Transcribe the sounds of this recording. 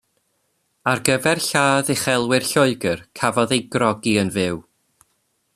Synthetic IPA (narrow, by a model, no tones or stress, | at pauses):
arɡəvɛrɬaːðeχɛlˠwɪrɬɔɨɡərkʰavɔðejɡrɔɡiənvɪw